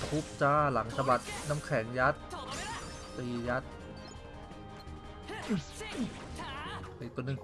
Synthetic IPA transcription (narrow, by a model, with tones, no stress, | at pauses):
pʰu˦˥p̚t͡ɕaː˥˩la˩˦ŋsʰa˧ba˨˩t̪̚na˦˥mkʰɛː˩˦ŋja˦˥t̪̚ | p̪iː˧ja˦˥t̪̚ | ʔiː˨˩k̚t̪u˧˩nɯ˨˩ŋ